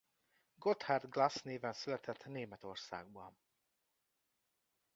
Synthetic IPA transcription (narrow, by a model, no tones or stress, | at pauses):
ɡot̪hard̪ɡlasneːvɛnsylɛt̪ʰɛt̪ːneːmɛt̪o̞rsa̰ːɡ̚bɒn